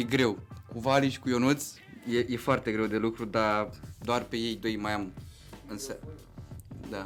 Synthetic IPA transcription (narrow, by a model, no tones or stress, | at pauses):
jeɡɾe̞wkuvaliʃi̥kujo̞nut̪sʲ | jejefoart̪e̞ɡɾewd̪e̞lukɾud̪ad̪oarpe̞je̞jd̪o̞jmajam | ɨnsə | d̪a